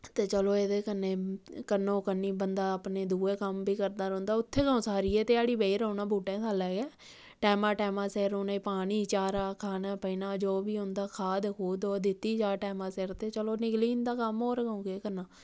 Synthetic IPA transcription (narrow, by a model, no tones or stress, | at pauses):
t̪eːt͡ʃəloːeːd̪eːkənːeːkənːõːkənːiːbənd̪aːəpneːd̪uːeːkəmbiːkəɾd̪aːɾə̃ːnd̪aːʊt̪ʰːeːkə̃ːsaːɾiːɛːt̪eːaːɽiːbeiːɾəːnãːbʱuːʈẽːt̪ʰaːlɛːɡɛː | ʈɛːmãːʈɛːmãːseːɾoːnaːiːpaːɽiːt͡ʃaːɾaːkʰaːnaːpəiːnaːd͡ʒoːbiːʊ̃nd̪aːkʰaːd̪kʰuːd̪oːd̪ɪt̪ːiːd͡ʒaːʈɛːmãːseːɾt̪eːt͡ʃəloːnɪkliːnd̪aːkəmoːɾɡəõːɡeːkənːãː